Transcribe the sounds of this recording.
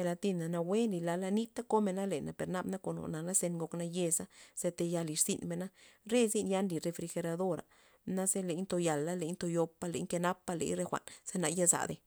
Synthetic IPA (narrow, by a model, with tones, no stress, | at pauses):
e˧la˧t̪i˧na˨na˧we˦nli˨la˧la˧ni˦t̪a˦ko˦me˧na˦le˨na˨pe˨ɾna˧bna˦ko˨no̰˨na˨na˦se˧nɡo˧kna˧je˧sa˦z̥e˧t̪e˧ja˧li˨ɾsi˧nme˧˨na˦ɾe˦zi˦nja˧˦nli˨ɾe˧fɾi˧xe˧ɾa˧d̪o˦ɾa̰˨ | na˦ze˦le˨˦j̪t̪o˧ja˨lːa˦le˨jɲt̪o˧jo˧pːa˦lḛ˨˦ɲke˧na˦pːa˧lḛ˧˦jɾe˦xʷa̰˨nz̥e˦na˧ja˦za̰˨d̪e˧